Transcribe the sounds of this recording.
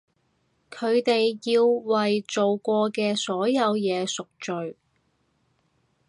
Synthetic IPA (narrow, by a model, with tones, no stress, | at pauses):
kʰɵ˨˧ɥt̪e˨jjiː˧wwɐ˨jt͡so˨wkʷɔː˧kɛː˧sɔː˨˥jɐ˨˧wjɛː˨˧sʊ˨k̚t͡ʃɵ˨ɥ